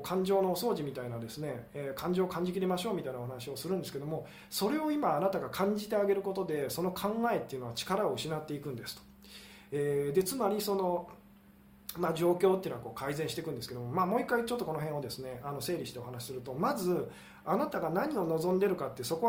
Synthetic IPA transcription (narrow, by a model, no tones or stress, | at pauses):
kʰãɲ̟d͡ʑo̞ːnoːso̞ːʑimʲit̪ainad̪e̞sɨne̞kãɲ̟d͡ʑo̞ːkʰãɲ̟d͡ʑik̬ʲiɾemaɕo̞ːmʲit̪ainaoɦanaɕio̞sɨɾɯ̃nd̪e̞sɨ̥ked̪o̞mo̞ | so̞ɾe̞o̞imaːnat̪aɡakʰãɲ̟d͡ʑit̪e̞aɡe̞ɾɯ̟ko̞t̪o̞d̪e̞so̞no̞kʰãŋɡae̞t̪ːeɯ̟no̞βat͡ɕi̥kaɾao̞ɯ̟ɕinat̪ːe̞ikɯ̟̃nd̪esɨ̥t̪o̥ | eːd̪e̞t͡sɨnaɾʲiso̞no̞ | mad͡ʑo̞ːkʲo̞ːt̪eɯ̟noako̞ːkaizẽ̞ɕi̥t̪ekɯ̟̃nd̪esɨ̥ke̞d̪o̞momaːmo̞ːikːait͡ɕot̪ːo̞ko̞noɦẽɰ̃o̞d̪e̞sɨne̞ano̞se̞ːɾʲiɕi̥t̪e̞o̞hanaɕi̥sɨɾɯ̟t̪o̞mazɨ | anat̪aɡanaɲ̟io̞no̞zõ̞nd̪e̞ɾɯ̟kat̪ːeso̞ko